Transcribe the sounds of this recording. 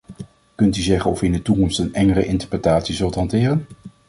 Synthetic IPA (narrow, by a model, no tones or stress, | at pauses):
kɵntyzɛχənɔfyɪndətukɔmstənɛŋərə̰ʔɪntəɹprətaːtsizɵlˠtɦɑntɪːrən